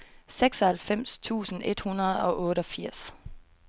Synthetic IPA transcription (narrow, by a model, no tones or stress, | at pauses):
seɡ̥sɒhælfem̰st͡sʰṵːsn̩ʔe̝d̥hunɐð̞̩ˠɒ̽ʔɔ̽ːɾəɒ̽fiɐ̰s